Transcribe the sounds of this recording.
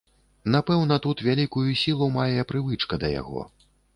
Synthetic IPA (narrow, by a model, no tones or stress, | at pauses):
napɛwnɐt̪ut̪vʲalʲikujusʲilˠɐmajɛpɾɨvɨt͡ʂkɐd̪ɐja̰ɣɔ̰